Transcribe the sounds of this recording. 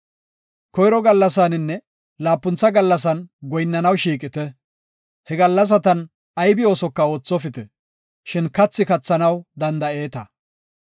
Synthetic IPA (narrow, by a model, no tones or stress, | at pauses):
kɔjɾɔɡɐlːɐs̬anɪnːɛ | laːpːʊnt͡sːɐɡɐlːɐs̬ɐnɡɔjɪnːɐnɐwʃiːkʼɪt̪ɛ | hɛɡɐlːɐs̬ɐt̪ɐn | ɐjbɪo̞ːsɔkːɐo̞ːt͡sːɔfɪt̪ɛ | ʃɪnkɐt͡sːɪkɐt͡sːɐnɐwd̪ɐnd̪ɐe̞ːt̪ɐ